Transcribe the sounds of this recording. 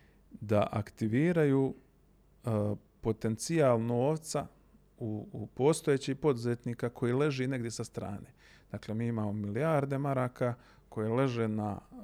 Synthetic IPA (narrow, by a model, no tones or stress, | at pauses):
d̪aʔakt̪iʋiːɾajuː | po̞t̪e̞nt̪siaːlˠno̞ːʋt̪sa | upo̞ːst̪o̞jet͡ɕihpo̞d̪uzet̪niːkakʰo̞jiːle̞ʒene̞ɡd̪jesast̪ɾa̰ːne̞ | d̪̥aːkle̞miːimaːmo̞milijaːɾd̪e̞maɾaːka | kʰo̞jele̞ʒena